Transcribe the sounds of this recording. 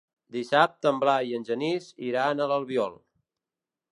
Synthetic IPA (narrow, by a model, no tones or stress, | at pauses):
d̪isap̚t̪əmblajiənʲʒəniziɾanələlˠβjɔlˠ